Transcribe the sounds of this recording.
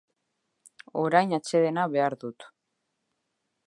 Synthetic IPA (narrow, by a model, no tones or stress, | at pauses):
o̞ɾajnat͡ʃe̞ðe̞naβe̞aɾðut̪